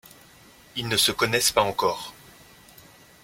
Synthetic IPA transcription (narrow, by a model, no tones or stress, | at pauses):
ilnəsəkɔnɛspaɑ̃kɔːʁ